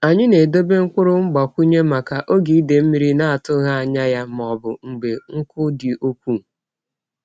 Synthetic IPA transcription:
a˨ɲɪ˦ne˨do˦be˦ŋ̩˦kʷʊ˦ɾʊ˦ŋ͡m̩˦ɡ͡bɔ˨kʷu˦ɲe˦ma˨ka˨ʔo˦ɡi˨i˦de˨m̩˦mi˦ɾi˦na˦a˨tʊ˦ɣa˦a˨ɲa˦ja˦m˨ɔ˨bʊ˨ŋ͡m̩˨ɡ͡be˨ŋ̩˦kʊ˦di˨ʔo˦kʷu˦˨

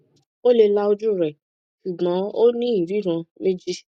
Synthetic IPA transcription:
o˦le˧la˦o˧d͡ʒu˦˨ɾɛ˨ | ʃu˨ɡ͡bɔ̃˨˦o˦nĩ˦i˨ɾi˨˦ɾ̃ã˧mẽ˦d͡ʒi˦

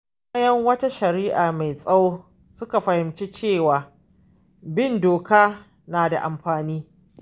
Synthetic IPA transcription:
jɐ˦ŋwɐ˦ta˦ʃɐ˨ɾiː˦ʔaː˨ma˨jsʼɐ˦woː˦ | sʊ˦ka˨ɸɐ˨hɪ˨mt͡ʃe˦t͡ʃeː˦˨waː˨ | bɪ˦˨ndoː˨kaː˦ | naː˨da̰˨ʔa̰˨mɸaː˨niː˦

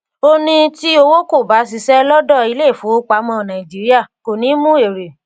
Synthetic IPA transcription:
o˧nĩ˧ti˦o˧wo˦ko˦˨ba˨˦si˨˧sɛ˦lɔ˦dɔ˦˨i˧le˦˨fũ˨˦o˦k͡pa˨˦mɔ̃˧˨nã˨ĩ˨d͡ʒi˨˦ɾi˦a˦˨ko˨nĩ˨˦mũ˦e˦˨ɾe˨

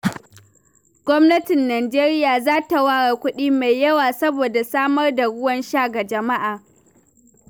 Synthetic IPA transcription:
ɡ̥ʷɔ˦mnɐ˦tɪ˨nːaː˨d͡ʒeː˦ɾɪ˦jaː˨zaː˦ta˨waː˦ɽaː˨kʷʊ˦ɗiː˦ma˨jːɐ˦waː˨sɐ˦boː˨da˨saː˦mɐ˦rda˨ɽʊ˦wɐ˦nʃaː˦ɡa˨d͡ʒɐ˨ma˦ʔaː˨

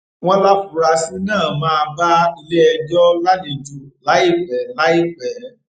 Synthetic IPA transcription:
wɔ̃˦la˦fu˨ɾa˧si˦nãː˦˨mãː˦a˧ɡ͡ba˦i˧le˦ɛ˧d͡ʒɔ˦la˦di˨d͡ʒu˨la˨˦i˦˨k͡pɛ˨˦la˨˦i˦˨k͡pɛ˨

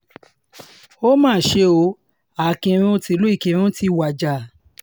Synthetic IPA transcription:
o˦mãː˦˨ʃe˧˦o˧˦ | a˨kĩ˧ɾ̃ũ˧˦ti˧lu˦i˦˨kĩ˧ɾ̃ũ˦ti˧˨wa˨d͡ʒa˨

